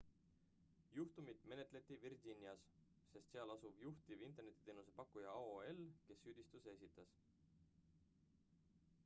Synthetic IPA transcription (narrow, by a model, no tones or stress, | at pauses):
juht̪umit̪ˑme̞ne̞t̪ˑle̞t̪ːˑivirdinʲiɑs | se̞st̪seɑlɑsuv̥juht̪ivint̪ːˑe̞rne̞t̪ʲːˑi̥t̪eːnuse̞pɑkːujɑoelke̞sːyd̪̥ist̪use̞sit̪ːˑɑs